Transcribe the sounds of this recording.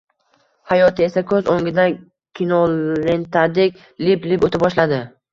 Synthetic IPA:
hajɒt̪ʰɪe̞sakʰɵzoŋɡʲɪd̪a | kʲʰinolent̪ʰad̪ɪkʲ | lɪplɪbot̪ʰɪbɒʃlad̪ɪ

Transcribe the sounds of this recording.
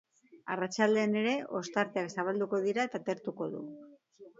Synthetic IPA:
arat͡ʃald̪e̞ːne̞ɾe̞ʔo̞st̪aɾt̪eaksaβald̪uko̞ðiɾat̪at̪e̞ɾt̪uko̞ðṵ

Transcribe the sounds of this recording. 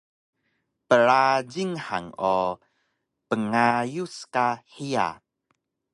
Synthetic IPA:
pəɾad͡ʒiŋha̰ŋo | pəŋajuskaħia̰

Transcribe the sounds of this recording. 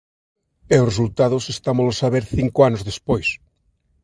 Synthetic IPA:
eores̬ult̪aðosest̪amolosaβeɾθiŋkoanozðespojs

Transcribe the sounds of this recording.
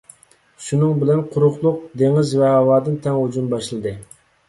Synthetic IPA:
ʃunɨŋbɪlɛnqʰʊɾʊχlˠʊq̚d̪eŋɪzvɛɦɑwɑːd̪ɨnt̪ʰɛŋhud͡ʒunbɑʃlˠɨd̪ɨ

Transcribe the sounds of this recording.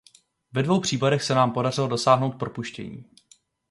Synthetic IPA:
vɛdvo̞wpr̝̥iːpadɛxsɛnaːmpo̞darɪlo̞do̞saːɦno̞wt̪̚pɾo̞puʃcɛ̰ɲḭː

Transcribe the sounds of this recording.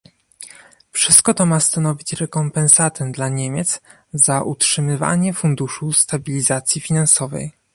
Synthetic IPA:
fʂɘst̪̚kɔt̪ɔmast̪anɔvʲit͡ɕɾɛkɔmpɛnsat̪ɛmd̪laɲemʲjet̪z | zaʔutʂɘmɘva̰ɲɛfund̪uʂust̪abʲilʲizat̪sʲjifʲinansɔvɛ̰j

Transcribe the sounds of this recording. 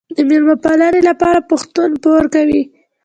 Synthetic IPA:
d̪əmiɾmapɑlɑnelapɑɾapʊxt̪unpoɾkawi

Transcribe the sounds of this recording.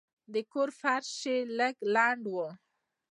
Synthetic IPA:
d̪əkoɾfaɾʃeləɡlaɳɖwə

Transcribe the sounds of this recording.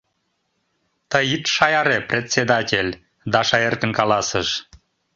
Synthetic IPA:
t̪əjit̪ʃɑjɑɾeprʲet̪sʲed̪atʲelʲ | d̪ɑʃɑjerkə̆nkɑlɑsəʃ

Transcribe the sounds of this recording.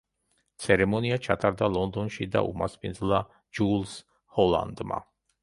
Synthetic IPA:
t̪sʰɛɾɛmɔniat͡ʃʰat̪ʼaɾd̪alˠɔnd̪ɔnʃid̪a̰ʔṵmaspʰind̪zlˠa | d͡ʒulˠs | hɔlˠa̰nd̪ma̰

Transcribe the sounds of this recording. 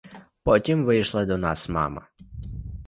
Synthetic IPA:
pɔtʲimʋɪjʃlˠɐd̪ɔnɑsmɑ̰mɐ̰

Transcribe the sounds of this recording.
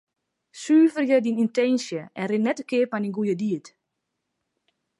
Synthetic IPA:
syːvərjədinintɛnsjəɛnrɪnːɛtəkɪəpaninɡujədiət

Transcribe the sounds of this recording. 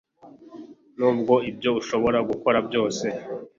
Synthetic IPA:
nuːb̚ɡo̞ibjo̞uʃo̞βo̞ɾaɡuko̞ɾabjo̞ːse̞

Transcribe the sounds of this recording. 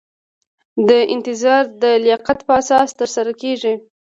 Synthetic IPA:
d̪əʔɪ̰nt̪ɪzɑɾd̪əlɪjɑqat̪pəasɑst̪əɾsaɾakeʐi

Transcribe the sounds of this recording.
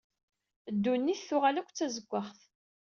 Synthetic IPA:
əd̪ːunːiθθʊʁalækʷt͡sːæzəɡʷːəχθ

